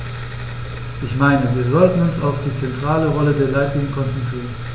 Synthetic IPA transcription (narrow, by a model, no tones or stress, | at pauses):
ʔɪçmaɪnəviːɐzɔltn̩ʊnsaʊfd̥iːt͡sɛntʁ̥aːləʁɔlədeːɐlaɪtlɪːŋəkʰɔnt͡sɛntʁ̥iːʁən